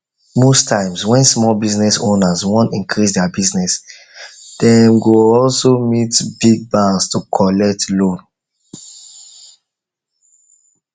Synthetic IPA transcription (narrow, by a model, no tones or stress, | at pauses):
mostʰãɪ̃mswɛ̃nsmɔlbiznɛsõnazwɔ̃nĩŋkʰɹisdɛabiznɛs | d̥ɛmɡoɔlsomitbiɡ̚bãnstukʰɔlɛk̚tlõn